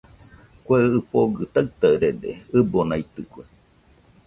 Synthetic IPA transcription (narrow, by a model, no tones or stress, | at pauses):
kʷeɨɨpoɡɨt̪aɨt̪aɨɾedḛɨbonait̪ɨkʷe